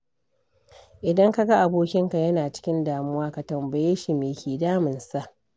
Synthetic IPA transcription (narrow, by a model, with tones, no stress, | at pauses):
ʔɪ˨dɐ˦ŋka˦ɡa˦ʔa˨boː˦kʲɪ˦ŋka˨jɐ˦naː˨t͡ʃɪ̥˦kʲɪ˦ndaː˨mʊ˦waː˦ka˨tɐ˨mbɐ˨jeː˦ʃi˨meː˨kʲeː˨daː˦mɪ˨nsa˦ʔ